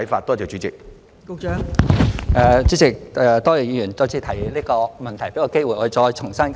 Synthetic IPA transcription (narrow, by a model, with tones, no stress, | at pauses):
fa̰ː˧t̚t̪ɔː˥t͡sɛː˨˩t͡ʃy˨˦˥t͡sɪ̰˨k̚ː | ŋ | ɛ˧t͡ʃyː˨˥t͡sɪ˨k̚ɛ˧t̪ɔː˥jɛː˨˩jiː˧˥jy˨˩nt͡sɔː˥t͡sʰiː˧t̪ʰɐ˨˩jliː˥kɔː˧mɐ˨nt̪ʰjpe˨˥jkɔ˧ke˥jwu˨jʔɔː˨˧˨ɔː˧jt͡ʃʰʊ˨˩ŋsɐ˥n